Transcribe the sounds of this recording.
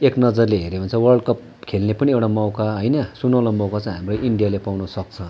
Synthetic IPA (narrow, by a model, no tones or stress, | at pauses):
eknʌd͡zʌrleɦeɾebʱʌnt͡sʰʌwʌrɖkʌp | kʰelnepʌniewʈamawkaɦʌjnʌsunalamawkat͡sʌ̃ɦamrʌʔiɳɖijalepawnʌsʌk̚t͡sʰʌ